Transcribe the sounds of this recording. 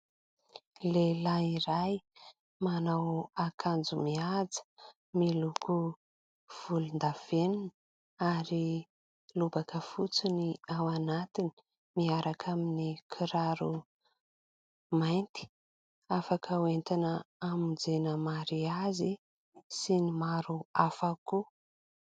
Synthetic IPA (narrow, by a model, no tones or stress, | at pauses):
lelaiɾaj | manawakʰand͡zumiad͡zə̥ | milukʰu | v̥ulund̪av̥eninə | aɾi | lubakəfut͡suniawanat̪ini̥ | miaɾakʰaminikʰiɾaɾu | majnt̪i̥ | afakəwent̪inəamind͡zenəmaɾiazi | sinimaɾuafaku